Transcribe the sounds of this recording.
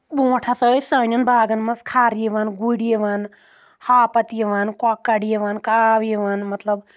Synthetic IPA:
bũːʈʰasəːsɐːnʲɐnbʱaːɡɐnmɐskʰaːɾjiʋanɡuɽijeʋan | haːpɐt̪jeʋankɔkːɐɽijeʋankaːʋjiʋanmɐt̪lɐb

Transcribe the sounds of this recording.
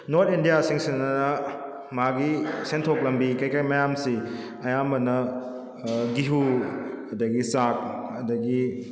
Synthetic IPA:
noɾt̚indijasiŋsenɐnɐ | maɡisentʰok̚lɐmbikajkajmɐjamsi | ɐjambɐnɐ | ɡiɦu | ɐdɐɡisak̚ɐdɐɡi

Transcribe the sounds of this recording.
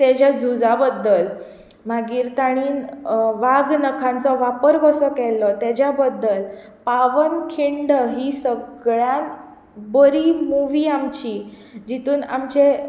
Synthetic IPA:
t̪ed͡ʑad͡zʱud͡zabəd̪ːəl | m̤aɡiːɾt̪aɽ̃iːnʋaɡnəkʰãnt͡sɔʋapəɾɡɔsɔkɛlːɔt̪jad͡ʑjabəd̪ːəl | paʋənkʰiɳɖəɦisəɡɭjan | bəɾimuʋiːamt͡ɕi | d͡ʑit̪ʰuːna̰mt͡ɕe

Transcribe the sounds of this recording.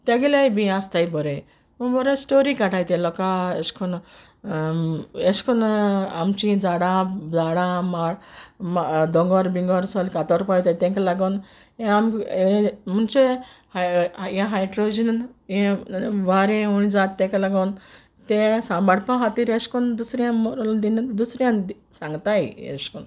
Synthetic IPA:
t̪eɡelajbĩast̪ajbɔɾe | ubɔɾesʈoɾikaʈʰajt̪elɔkaeskʰɔn | eskʰɔnamt͡ʃid͡zaɽad͡zaɽamaɽ | d̪ɔŋɡɔɾbiŋɡɔɾsɔlkat̪ɔɾpajt̪ajt̪ẽŋkalaɡɔn | ẽam | munt͡ʃe | hjẽɦajʈɾod͡ʒinnjẽʋaɾẽuɽ̃id͡zaːt̪ːẽkalaɡɔn | t̪esãmbaɽpãɦat̪iɾeskund̪usɾjãmɔɾld̪ind̪usɾjãnd̪sãŋɡt̪ajḛskun

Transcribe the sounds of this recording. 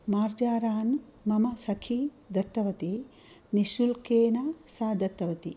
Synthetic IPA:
maːɾd͡ʒaːɾaːn | mɐmɐsɐkʰi | d̪ɐt̪ːɐʋɐt̪i | niʃulkeːnasaːd̪ɐt̪ːɐʋɐt̪i

